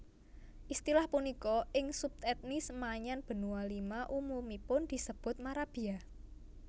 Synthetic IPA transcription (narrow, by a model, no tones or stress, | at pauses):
ʔist̪ilahpunikɔɪŋsup̚t̪ɛt̪̚nisəmaɲanb̥ə̤nuwalimaʔumumipʊnd̪̥i̤səb̥ʊ̤t̪̚maɾab̥ia